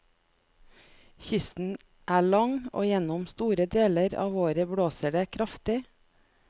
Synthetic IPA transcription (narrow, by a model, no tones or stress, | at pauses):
çʏsn̩ | ʔæːɭɑŋo̰ːjɛnʊmst̪uːɾəd̪eːləɾɑ̰ːʋoːɾəbɽoːsəɖeːkʰɾɑft̪ɪ